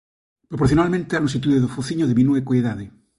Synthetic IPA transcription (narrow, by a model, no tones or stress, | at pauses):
pɾopoɾθjonalmẽnt̪ealusit̪uðeðofuθiɲoðeβminwekoeðaðe